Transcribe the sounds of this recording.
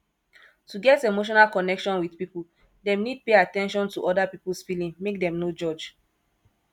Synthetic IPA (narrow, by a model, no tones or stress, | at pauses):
tuɡɛtemoʃ̬ɔnalkɔnɛkʃɔ̃nwidpipul | demnid̚peatɛ̃nʃɔ̃ntuʔɔdapipulsfilĩŋmek̚dɛ̃mnod͡ʒɔd͡ʒ